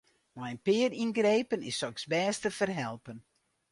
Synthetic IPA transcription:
majənpɪːərinɡrejpənɪsɔksbɛːstəfərɦɛlˠpən

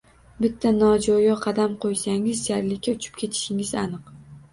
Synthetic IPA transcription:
bɪt̪ʰːanɒd͡ʒɒjɒqʰɑd̪amqʰojsaŋɪzʃjaɾlɪkʲʰːaʊt͡ʃʰɪ̥p̚kʲʰe̞t̪ʰɪ̥ʃɪŋɪzanɨq

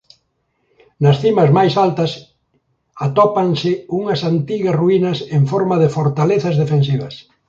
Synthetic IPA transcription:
nɐsθimɐzmajsalt̪ɐs | at̪ɔpɐnsɪuŋɐsant̪iɣɐsruinɐseɱfɔɾmɐðɪfoɾt̪aleθɐzðefensiβɐs

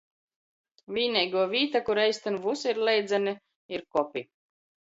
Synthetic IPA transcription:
vʲiːnʲɛjɡuɔvʲiːt̪akuɾɛjst̪anvusiɾlɛjd̪zani | iɾkɔpʲi

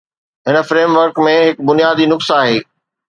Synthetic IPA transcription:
ɦɪnə̆fɾeːmʋəɾkmẽɦɪkbʊnijaːd̪iːnʊksaːɦeː

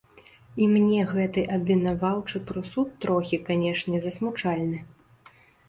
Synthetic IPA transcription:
imnʲɛɣɛt̪ɨʔɐbʲvʲinavawt͡ʂɨpɾɨsut̪ːɾɔxʲikanʲɛʂnʲɛzɐsmut͡ʂalʲnɨ

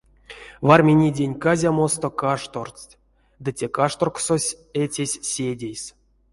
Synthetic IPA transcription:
varmʲenʲidʲenʲkazʲamo̞st̪okaʂt̪ort͡stʲ | d̪ɨtʲekaʂt̪orksosʲ | etʲesʲsʲedʲejs

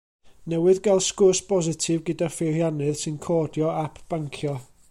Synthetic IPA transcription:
nɛwɨðɡalˠskʊsbɔzɪtʰɪvɡədafɪrjanɨðsɨnkʰɔːdjɔapʰb̥aŋkʰjɔ

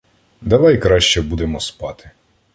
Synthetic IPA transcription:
d̪ɐʋɑjkɾɑʃt͡ʃɛbud̪emɔspɑt̪ɪ̥

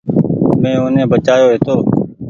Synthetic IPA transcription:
mẽːʊnẽːbət͡ʃaːjoːɦeːt̪oː

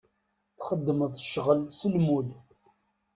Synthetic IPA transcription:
θχəd̪ːəməðˤəʃʁəlsəlmul

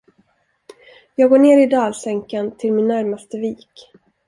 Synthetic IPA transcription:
jɑːɡoːɳeːɾɪd̪ɑːlsɛŋkant̪ʰɪlmɪnːæɾmast̪əviːk

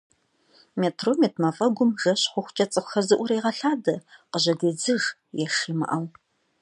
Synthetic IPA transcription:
meːtʰroːmeːtʰmɐfʼɐɡʷʊmʒɐɕχʷʊxʷt͡ʃʼɐt͡sʼɨxxɐzɨʔʷʊɾeːʁɐɬaːdɐqəʑɐdeːd͡zɨʁjɛʂiːmɐ̰ʔɐw

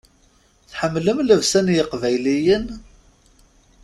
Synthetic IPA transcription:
θħəmːləmləvsænjəqvæjlijən

